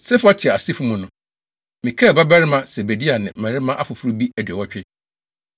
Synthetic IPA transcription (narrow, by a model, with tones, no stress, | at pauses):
sɛ˦fʊ˦a˦tʰɪ˨a˨a˨si˦fu˦mũ˨nʊ̃˨ | mĩ˨kʰɛ˦˨ba˦ba˦ɾɪ˦mã˦sɛ˨be˨di˦a˨nɪ̰̃˨mæ̃˨ɾɪ˦mã˦ʔa˦fʊ˨fʊ˦ɾu˦bi˦æ˨dɥɛ˨wɔ˦t͡ɕᶣɪ˦